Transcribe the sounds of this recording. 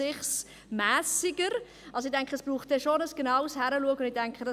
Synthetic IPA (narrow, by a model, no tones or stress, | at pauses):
ɪχs | mæːsɪɡəɾ | ɑlsoɪd̥ɛŋkχəɛsb̥ɾuːχt̚dɛʃonəsɡ̥enɑʊshæɾəluəɡəʊndɪdɛŋkχədɑ